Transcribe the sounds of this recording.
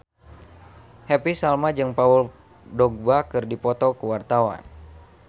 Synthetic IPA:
hɛpisalmad͡ʒɨŋpaul | dɔɡ̚bakɨrdipɔt̪ɔkəwart̪awa̰n

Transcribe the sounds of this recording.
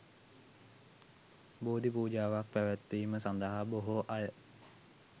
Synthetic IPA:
boːd̪ip̬uːd͡ʒaːʋak̚pæʋæt̪ːʋiːməsand̪əɦaboɦoʔajə

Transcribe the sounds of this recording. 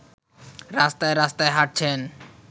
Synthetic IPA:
ɾaːst̪aeɾast̪aeɦaʈ̚t͡ʃʰɛːn

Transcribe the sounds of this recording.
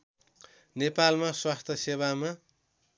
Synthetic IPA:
nepalmaswast̪ʰʌseβama

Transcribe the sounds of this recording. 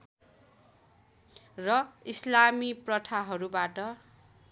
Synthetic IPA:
rʌislamiprʌt̪ʰaɦʌɾubaʈʌ

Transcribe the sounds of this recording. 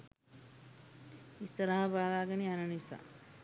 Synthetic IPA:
ist̪əɾaɦabaːlaːɡənianɐnisa̰

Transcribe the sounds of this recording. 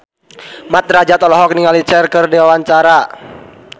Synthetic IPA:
mat̪̚ɾad͡ʒat̪ɔlɔɦɔk̚niŋalit͡ʃɛrkɨrdiwawaɲt͡ʃaɾa

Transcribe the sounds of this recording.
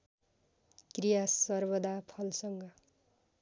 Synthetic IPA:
krijasʌrbʌd̪apʰʌlsʌŋɡʌ

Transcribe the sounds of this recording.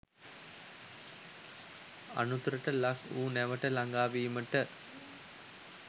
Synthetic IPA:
a̰nut̪uɾəʈəlakʰuːnæʋəʈəlaŋɡaːʋiːməʈə

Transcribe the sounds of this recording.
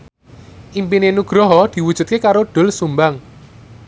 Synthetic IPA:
ʔimpinenuɡ̥ɾɔɦɔd̪̥i̤wud̥ʒ̥ṳt̪̚kekaɾoɖ̥ʊ̤lsumbaŋ

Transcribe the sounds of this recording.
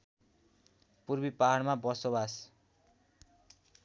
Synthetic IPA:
purbipaɦaɽmabʌsobas

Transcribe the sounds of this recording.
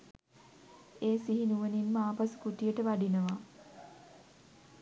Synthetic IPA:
eːsiɦinuʋəninmaːpasu̥kuʈijəʈəʋaɖinəʋa

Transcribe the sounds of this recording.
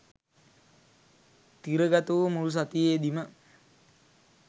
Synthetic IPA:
t̪iɾəɡat̪uʋəmulus̬at̪ijeːd̪imə

